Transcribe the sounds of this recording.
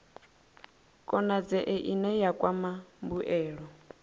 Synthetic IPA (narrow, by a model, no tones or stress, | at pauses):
kʼɔnad͡zɛʔɛʔinɛjakʼwamambuʔɛːɺɔ